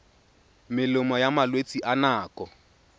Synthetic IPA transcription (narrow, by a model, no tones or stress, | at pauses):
mɪlʊmɔjamalwet͡sʼiʔanaːkʼɔ